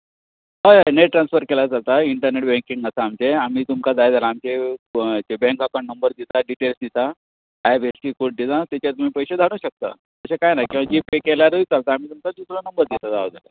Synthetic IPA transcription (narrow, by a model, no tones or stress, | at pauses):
ajneʈʈːɾansfəɾkelat͡salt̪aiɳʈəɾneʈbɛ̃ŋkiŋɡəsaːmt͡ɕeam̤iːt̪umkad͡z̪ajd͡zʱalaːmt͡ɕet͡ɕebɛ̃ŋkakaɳnəmbəɾd̪it̪aɖiʈelsd̪it̪a | abesʈikod̪it̪at̪jat͡ɕjat̪um̤iːpəjɕed̪ʱaɽ̃ũɕək̚t̪a̰ | t̪əɕekajnajkĩw̃ʋad͡ʑipekelaɾəit͡salt̪aːm̤iːt̪umt͡sad̪uslanəmbəɾd̪it̪at̪aʋd͡z̪ʱala̰